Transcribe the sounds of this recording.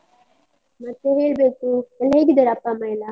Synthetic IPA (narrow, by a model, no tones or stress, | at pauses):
mɐt̪ːeɦe̞ːɭbeːkuɛlːɐɦeːɡid̪ɐɾɐpːamɐjla